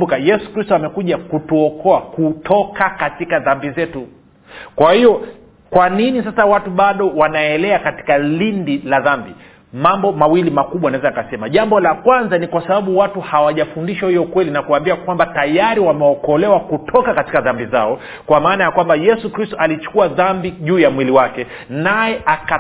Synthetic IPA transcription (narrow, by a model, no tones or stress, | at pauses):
ukajɛsu̥kɾistɔamɛkuʄakutuɔkɔakutʰɔkakatikaðambizɛtu | kwahijɔ | kwaninis̬asawatuɓaɗɔwanaɛlɛakati̥kalindilaðambi | mambɔmawilimakuɓwanaɛzaikasɛmaʄambɔlakwanzanikwasaɓaɓuwatuhawaʄafundiʃwahijɔkwɛlinakuambiakwambatajaɾiwamɛɔkɔlɛwakutʰɔkakatikaðambizaɔ | kwamaːnajakwambajɛsukɾistɔʔalit͡ʃu̥kuaðambiʄuːjamwiliwakɛ | najɛʔaka